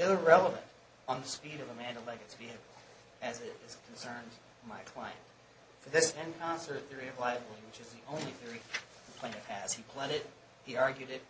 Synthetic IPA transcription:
ɪɹɛlˠəvɨ̰̃nt | n̩ðɨspiɾʌvəmæ̃ndəlɛɡɨtsb̥ihɨkl̩ˠ | ɨzɪɾɪz̥kʰn̩sɜ̃˞nd | maɪkʰl̥aɪɨ̰̃nt | fə˞ðɪsɪ̃nkʰɑ̃nsə˞d̪̚θɪɹiʌvlaɪvl̩ˠiwɨt͡ʃɨzðiʔõʊ̃nliθɪɹi | pʰl̥ẽɪ̃nɨfhɨz̥ipʰl̥ʌɾɪt̚ | hiɑɹɡjʉɾɪt̚

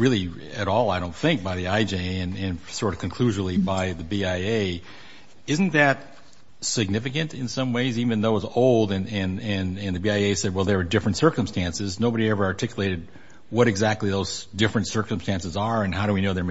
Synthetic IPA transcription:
ɹɪlˠi | ɨɾɔlˠaɪɾõʊ̃nθɪ̃ŋk̚b̥aɪðiaɪd͡ʒeɪɨ̃nɨ̃nsɔɹɾʌv̥kʰɨ̃nkʰl̥ʉʒə˞l̩ˠibaɪðɨbiaɪeɪ | ɪz̃n̩ðɨt̚ | sɨɡ̚nɪfɨkɨ̃ntɨ̃nsʌ̃mweɪzivɨ̃nðoʊəzoʊlˠdɨ̃nɨ̃nɨ̃nɨ̃nðɨbiaɪeɪsɛd̚wɛlˠðə˞ːdɪfɹɨ̃ntsɜ˞kɨ̃mstæ̃nsɨznoʊbəɾiɛvə˞ɑɹtʰɪkjəleɪɾɨd̚ | wʌɾɨɡzæk̚tˡliðoʊz̥d̥ɪfɹɨ̃ntsɜ˞kə̃mstæ̃nsɨzə˞ɨ̃nɦaʊɾɨwinoʊðə˞

